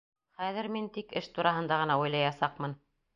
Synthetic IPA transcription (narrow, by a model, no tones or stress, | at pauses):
χæðɘ̆ɾmint̪ikɘʃt̪uɾɑɦɤ̆nd̪ɑʁɤ̆nɑujlˠɑjɑsɑqmɤn